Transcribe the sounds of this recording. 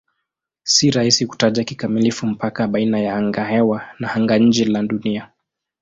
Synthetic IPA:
siɾahisiku̥taʄakikamilifum̩pakaɓainajaaŋɡahɛwanahaŋɡaɲ̩d͡ʒɛlaɗunia

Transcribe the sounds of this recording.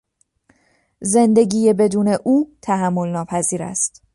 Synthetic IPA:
ze̞nd̪e̞ɡiːje̞be̞d̪uːne̞ʔuːt̪ʰæɦæmːo̞lnɒːpʰæziːɾæ̰st̪

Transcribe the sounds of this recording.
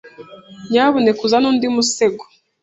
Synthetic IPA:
ɲaːβonekuzanuːndimuseɡo̥

